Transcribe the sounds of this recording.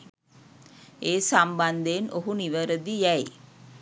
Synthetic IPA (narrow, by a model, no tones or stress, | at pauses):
eːsamband̪eːnoɦuniʋəɾəd̪ijæj